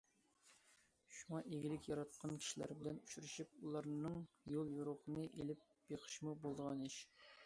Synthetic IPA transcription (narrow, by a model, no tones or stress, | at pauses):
ʃuŋɑʔeɡʲilɪkʲjɑɾɑt̪̚qʰɑnkʲʰi̥ʃilæ̰ɾbɪlɛnyʃyɾyʃip̚ulˠɑɾnɨŋ | jolˠjuɾoqʰənɨʔelɪp̚ | beqʰə̥ʃmubolˠd̪əʁɑneʃ